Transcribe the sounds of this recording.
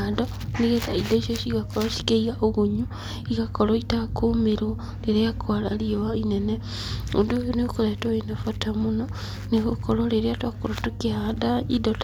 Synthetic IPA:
ado | niɣetaidoiʃoʃikakoloʃi̥keiɣaʔoɣuɲu | ikakoloitakumiɾu | leɾeakʰwala̰lioainene | udojonekuletoinafatamuno | nekukololeɾeatwakuɾotukiadaidot

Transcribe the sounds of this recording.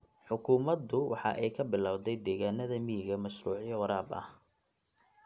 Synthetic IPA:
ħʊkʰʊːmɐd̪ʊwʔɑ̰ħɑ̰ʔɛjkʰɐbɪlaːwd̪ɛjd̪ɛːɣaːnɐðɐmijɪɣɐmɐʃruːʕjɛwɑɾaːbɐ̰h

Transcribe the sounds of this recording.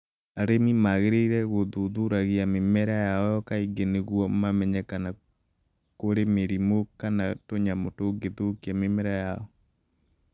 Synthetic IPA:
aɾemimaɣeɾeiɾɛɣoðuðuɾaɣjamemɛɾajaɔjɔkaiɡeneɣwɔmamɛɲɛkana | koɾemeɾimokanatoɲamotoɡeðokiamemɛɾajaɔ

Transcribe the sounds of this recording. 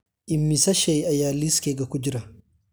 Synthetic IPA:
ʔɪmːisɐʃɛjɐjaːliskeɡɐkʊd͡ʒɪɾɐ

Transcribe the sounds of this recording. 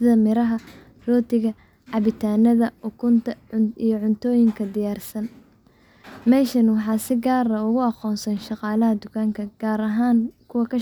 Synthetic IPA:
sɪðɐmɪɾɐɦɐ | rɔːt̪ʰɪɣɐ | ʕɑβɪt̪ʰaːnɐðɐʊkʰʊnt̪ʰɐijɞʕʊnt̪ʰɔːjɪŋkʰɐd̪ɪjaːrsɐn | mɛːʃɐnwɑħɑːsɪɡaːɾɐʊɣʊɑqɔːnsɐnʃɑqɑːlɐɦɐd̪ʊkʰaːŋkʰɐɡ̥aːɾɐɦaːŋkʰʊwɐkʰɐ

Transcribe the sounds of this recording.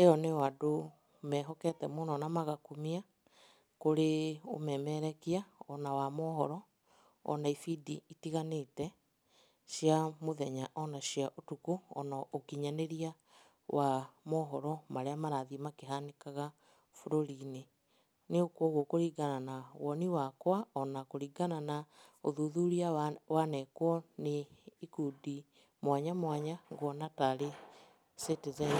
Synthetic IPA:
ejɔnewado | mɛːɦɔkɛtɛmonɔnamaɣakumia | koɾeo̰mɛmɛɾɛkiaɔnawamɔɦɔɾɔ | ɔ̰naifidiitiɣanetɛ | ʃjamoðɛɲaʔɔnaɕiaʔotukoɔ̰naokiɲaneɾia | wamɔɦɔɾɔmaɾeamaɾaðimakeɦanekaɣa | foɾoɾine | neokwɔɣokoɾiɣananawɔniwakwaɔnakoɾiːɡanana | oðuðuɾiawanɛkwɔneikudi | mwaɲamwaɲaŋɡwɔnataɾe | setezɛ

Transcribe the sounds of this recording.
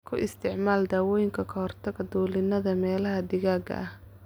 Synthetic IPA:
kʰʊʔɪst̪ʰɪʕmaːld̪aːwɔːjɪŋkʰɐkʰɐhɔrt̪ʰɐɡɐd̪uːlɪnɐðɐmɛːlɐɦɐd̪ɪɣaːɡɐ̰ɐh

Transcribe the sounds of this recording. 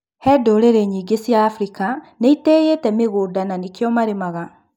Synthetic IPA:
hɛdoɾeɾeɲiːɡesjaːfɾikaneitejetɛmeɣoːdananikejɔmaɾemaɣa

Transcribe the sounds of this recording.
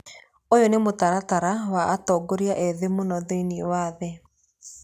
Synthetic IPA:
ojonemotaɾataɾawaʔːtɔɡoɾiaʔɛðemonɔðeiniɔwaːðɛ

